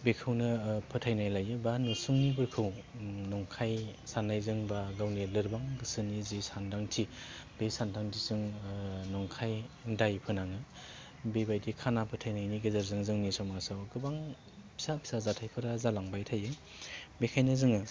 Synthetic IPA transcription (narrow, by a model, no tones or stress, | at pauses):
bekʰɯwnɯpʰɯtʰajnajlajɯbanusuŋnibɯɾkʰɯwnɔŋkʰajsanːajzɯŋbaɡawnelɯɾbaŋɡɯsɯnizisandaŋtʰib̥esandʰaŋdʰizɯŋnɔŋkʰajŋdajpʰɯnaŋɯ | bebajdikʰanapʰɯtʰajnajniɡɯzaɾzɯŋzɯŋnisɔmasawɡɯbaŋ | pʰi̥sapʰi̥sazatʰajpʰɯɾazalaŋbajtʰajɯ | bekʰajnɯzɯŋɯ